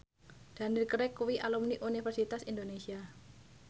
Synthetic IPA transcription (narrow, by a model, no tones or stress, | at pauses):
d̪̥a̤nirkəɾɛkuwiʔalumniʔunifərsit̪asind̪onesia